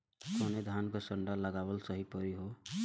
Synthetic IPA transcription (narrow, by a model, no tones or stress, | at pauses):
kʰoned̪ʱankəsəɳɖaləɡawəlsəɦipəɾiɦo